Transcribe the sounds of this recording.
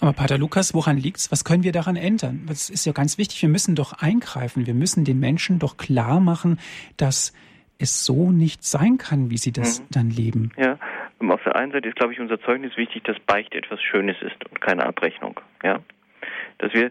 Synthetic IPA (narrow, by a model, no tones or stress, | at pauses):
ʔaːbɐpʰaːtɐlukasv̥oʁanliːk̚tsv̥askʰœnənviːɐdaʁanʔɛndɐnvasɪstjaːɡant͡sv̥ɪçtɪ̥çv̥iːɐmʏsn̩dɔχʔaɪnɡʁaɪfn̩viːɐmʏsn̩deːnmɛnʃn̩dɔχkl̥aːɐmaχn̩d̥as | ʔɛsz̥oːnɪçtz̥aɪnkʰanviːziːdasd̥anleːbm̩jaːʔɛmaʊfd̥eːɐʔaɪnzaɪtəɪstɡ̥laʊbəɪçʊnzɐt͡sɔʏɡnɪsv̥ɪçtɪçd̥asb̥aɪçtəʔɛ̰tv̥asʃøːnəsɪ̰stʊntkʰaɪnə̰ʔa̰pʁɛçnʊ̰ŋjaː | d̥asv̥iːɐ